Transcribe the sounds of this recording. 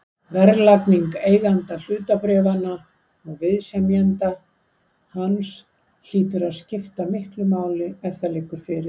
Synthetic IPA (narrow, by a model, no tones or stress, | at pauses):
vɛɾlakniŋkeːjɣant̪al̥ʏːt̪apɾɛːvana | ɔɣvɪðsɛmjɛnt̪a | hans | l̥iːt̪ʏɾaðscɪft̪amɪhklʏmaːwlɪɛθaleːkʏɾ̥fɪɾɪ̥